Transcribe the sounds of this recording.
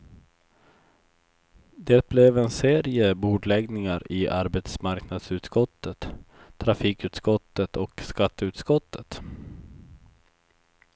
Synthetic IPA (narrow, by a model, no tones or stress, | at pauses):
d̪̥eːt̪̚blɛvɛnseːɾɪəbuːɖlɛɡnɪŋaɾɪʔaɾbɛt̪smaɾknad̪sʉ̟ːt̪skɔt̪ʰːət̪ʰː | ɾafiːkʉ̟ːt̪skɔt̪ːət̪ʰɔkskat̪ːəʉ̟ːt̪skɔt̪ʰːət̪